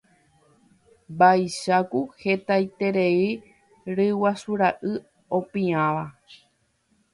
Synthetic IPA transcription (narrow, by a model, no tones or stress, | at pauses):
bajʃakuhe̞t̪ajt̪e̞ɾei | ɾɨwasuɾaʔɨ | õ̞pĩãʋa